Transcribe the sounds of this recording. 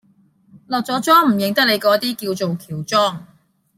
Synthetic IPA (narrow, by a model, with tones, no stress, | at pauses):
lɔː˨k̚t͡sɔː˨˥t͡sɔː˥ŋm̩˨˩jɪ˨ŋt̪ɐ˥k̚le˨˧jkɔː˨˧˥t̪iː˥kiː˧wt͡so˨wkʰiː˨˩wt͡sɔː˥ŋ